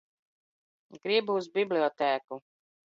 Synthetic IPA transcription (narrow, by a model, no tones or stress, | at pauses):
ɡɾibuuzbʲiblʲiɔt̪æːku